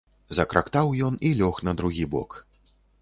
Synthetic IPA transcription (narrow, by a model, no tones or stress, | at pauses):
zɐkɾakt̪awjɔnilʲɔxnɐd̪ɾuɣʲibɔ̰k